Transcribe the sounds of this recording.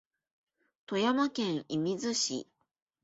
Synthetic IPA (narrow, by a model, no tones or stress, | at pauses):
t̪o̞jamakẽ̞ɰ̃imʲizɨɕḭ